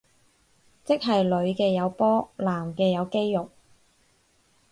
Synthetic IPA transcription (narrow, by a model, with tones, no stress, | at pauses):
t͡sɪ˥k̚ɦɐ˨jlɵ˨˧ɥkɛː˧jɐ˨˧wpɔː˥laː˨˩mkɛː˧jɐ˨˧wke˥jːʊ˨k̚